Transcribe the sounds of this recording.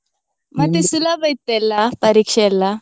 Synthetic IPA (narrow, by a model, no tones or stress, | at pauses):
mat̪esulabəjt̪ːelːapəɾikʂɛlːa